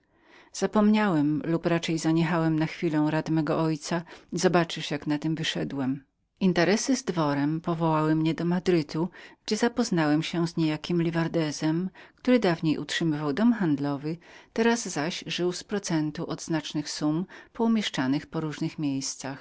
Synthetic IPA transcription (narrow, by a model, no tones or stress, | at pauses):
z̥apɔmɲawɛmlupɾat͡ʂɛjzaɲɛxawɛmnaxfʲilɔ̃w̃ɾat̪mɛɡɔʔɔjt̪saizɔbat͡ʂɘʂjaknat̪ɘmvɘʂɛd̪wɛm | int̪ɛɾɛsɘzd̪vɔɾɛmpɔvɔwawɘmɲɛd̪ɔmad̪ɾɘt̪uɡ̥d͡ʑɛzapɔznawɛmɕɛzɲejakʲimlʲivaɾd̪ɛzɛmkt̪uɾɘd̪avɲejʔṵtʂɘmɘvawd̪ɔmxand̪lɔvɘt̪ɛɾazzaɕʐɘwspɾɔt̪sɛnt̪uʔɔd̪znat͡ʂnɘxsumpɔumʲjɛʂt͡ʂanɘxpɔɾuʐnɘxmʲjejst̪sax